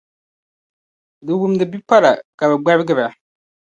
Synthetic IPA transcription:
dɨ˨wu˦m˦dɨ˨bi˦pa˦la˨ka˨bɛ˨ɡ͡ba˦bɪ˦ɡɪ˦ba˨

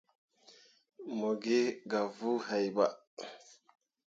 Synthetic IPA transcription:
mo˨ɡe˦ɡa˨vu˦ha˨jba˦˨

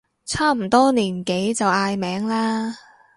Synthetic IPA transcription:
t͡sʰaː˥m̩˨˩t̪ɔː˥niː˨˩nke˨˥jt͡sɐ˨waː˧jmɛː˨˥ŋlaː˥

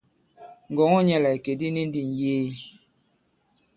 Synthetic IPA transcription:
ŋ̩˨ɡɔ˨ŋɔ˦ɲɛ˦la˨i˨ke˨di˦ni˦n˦di˨n˨jeː˦

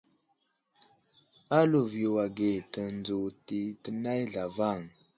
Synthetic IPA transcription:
a˦lu˨vi˨o˨wa˨ɡe˨tə˨nd͡zo˨ti˨˦tə˨na˦jɮa˨va˦˨ŋ

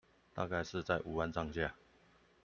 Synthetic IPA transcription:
t̪a̰˥˧ka˥˧ɪʂɻ̩˥˧t͡sa˥˩ɪʔu˨˩wa˧˦nt͡sɑ˥˨ŋɕja˥˨

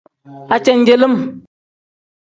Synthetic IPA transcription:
a˨t͡ʃɛ˨n˦d͡ʒe˨lə˦m

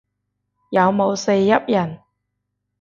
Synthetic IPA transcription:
jɐ˨˧wmo˨˧wse˧jːɐ˥p̚jɐ˨˩n

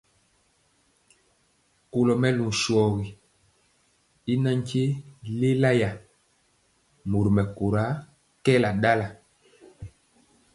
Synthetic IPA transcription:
ko˨lɔ˨mɛ˦lũ˨ʃwɔ˨ɣi˨ | i˦na˦ɲ˦t͡ʃe˦le˦la˦ja˨ | mo˨ɾi˨mɛ˨ko˨ɾa˨˦ | kɛ˦la˨da˦la˨

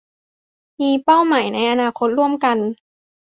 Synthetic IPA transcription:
miː˧pa˥˩wmaː˨˩˦jna˧˥˦jʔa˧naː˧kʰo˦t̪̚ɾu˥˩əmka˧n

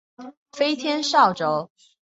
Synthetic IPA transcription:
fe˥ɪt̪ʰjɛ˥nʂɑ˥˩ʊʈ͡ʂo˧˥ʊ

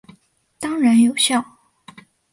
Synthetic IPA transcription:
t̪ɑ˥ŋɻa˧˥njo˨˩ʊɕjɑ˥˩ʊ

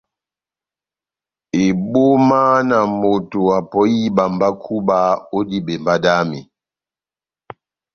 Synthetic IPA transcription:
e˨bo˦ma˦na˨mo˨to˨a˨pɔ˦ji˦ba˨mba˦kʰu˦ba˦o˦di˦bɛ˨mba˦da˦mi˨

